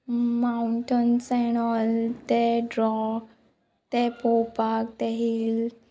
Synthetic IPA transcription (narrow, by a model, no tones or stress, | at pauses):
mauɳʈənsɛñɔlt̪eɖɾɔ | t̪epopak̚t̪eɦiːl